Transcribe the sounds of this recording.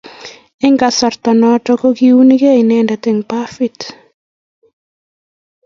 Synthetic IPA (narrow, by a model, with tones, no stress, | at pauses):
ɪ˦ŋɡa˨sɔ˨ɾt̪ɔ˨nɔtɔ˦ko˦ɡiu˦niɡe˦i˨nɛnda˨t̪ɪ˦ŋpafi˦t